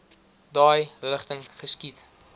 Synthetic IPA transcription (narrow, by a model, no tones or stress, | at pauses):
dɑːjləχtəŋχəskit